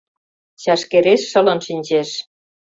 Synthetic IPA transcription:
ɕɑʃkeɾeʃːə̆lɤ̆nʃinʲd͡ʑeʃ

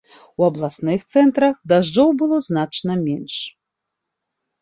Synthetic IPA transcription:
wɐblˠasnɨxt̪sɛnt̪ɾɐxd̪aʐd͡ʐɔwbɨlˠɔznat͡ʂnɐmʲɛnʂ

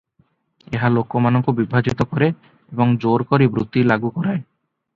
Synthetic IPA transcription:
eɦalokːomanoŋkobibʱad͡ʑit̪okɔɾe | eboŋd͡ʑoɾkoɾibɾut̪ːilaɡukɔɾae

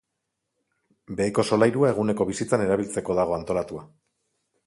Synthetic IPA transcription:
be̞ːko̞so̞lajɾuae̞ɣ̞une̞ko̞β̞isit͡sane̞ɾaβ̞ilt͡se̞ko̞ðaɣ̞o̞ant̪o̞lat̪ua

